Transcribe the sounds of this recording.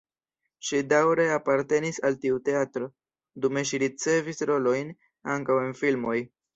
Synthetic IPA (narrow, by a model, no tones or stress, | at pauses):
ʃidawɾe̞apaɾte̞nisaltiute̞atɾo̞ | dume̞ʃ̬iɾit͡se̞visɾo̞lo̞jn | aŋkawe̞nfilmo̞j